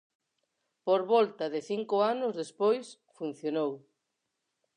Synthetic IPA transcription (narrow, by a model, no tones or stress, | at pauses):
poɾβɔlt̪ɐðɪθiŋkʊanʊzðespojs | fun̟θjonow